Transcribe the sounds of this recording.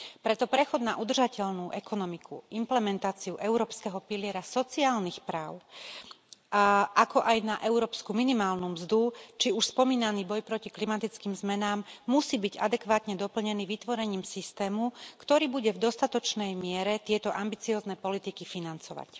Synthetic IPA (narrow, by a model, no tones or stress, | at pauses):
pɾɛt̪ɔpɾɛxɔd̪naʔud̪r̩ʒacɛʎnuʔɛkɔnɔmikʰṵimplɛmɛnt̪aːt͡siuʔɛʊɾɔːpskɛɦɔpilɪɛɾasɔt͡siaːlnixpɾaːʊ | ʔakɔʔajnaʔɛʊɾɔːpskuminimaːlnumzd̪ut͡ʃiuʃspɔmiːnaniːbɔjpɾɔciklimat̪it͡skiːmzmɛnaːmːusiːbiɟa̰d̪ɛkʋaːt̪ɲɛd̪ɔpl̩ɲɛniːʋit̪ʋɔɾɛɲiːmsist̪ɛːmukt̪ɔɾiːbuɟɛvd̪ɔst̪at̪ɔt͡ʃnɛjmɪɛɾɛt̪ɪɛt̪ɔʔambit͡siɔːznɛpɔlit̪ikifinant͡sɔʋa̰c